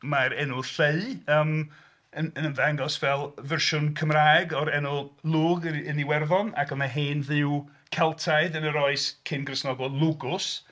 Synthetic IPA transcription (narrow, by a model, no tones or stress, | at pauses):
maɾɛnʊɬeɨəːm | ənənənvaŋɡɔsvɛlˠvɛrʃʊnkʰəmraːɛɡɔɾɛnʊlˠuːɡəniwɛrðɔna̰kɔnaɦeːnðɪw | kʰɛlˠtʰaɨðənəɾɔɨskʰɪnɡrəsnɔɡɔlˠʊɡʊs